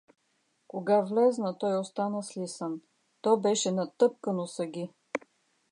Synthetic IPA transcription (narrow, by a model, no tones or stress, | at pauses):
koɡavlɛznət̪ɔjost̪anəslisən | t̪ɔbɛʃɛnɐt̪ɤp̚kənosəɡʲi